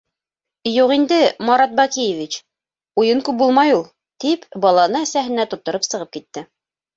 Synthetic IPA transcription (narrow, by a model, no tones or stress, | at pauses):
juqind̪ɘmɑɾɑt̪̚bɑkijevʲit͡ɕ | ujɤŋkʉp̚bulˠmɑjulˠ | t̪ipbɑlˠɑnɤæsæɦɘ̆næt̪ŏt̪ːŏɾɤpsɤ̆ʁɤp̚kit̪ːɘ